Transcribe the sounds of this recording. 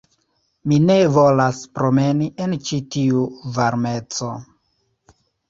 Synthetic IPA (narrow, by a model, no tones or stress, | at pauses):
mine̞vo̞laspɾo̞me̞niʔe̞nt͡ʃitiuvaɾme̞t͡so̞